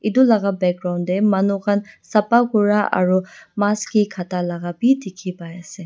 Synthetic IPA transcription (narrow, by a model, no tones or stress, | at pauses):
idulaɡabɛk̚ɡɾawndemɐnukʰansɐpakuɹaʔa̰ɹumaskikʰatalaɡapitʰikʰipajase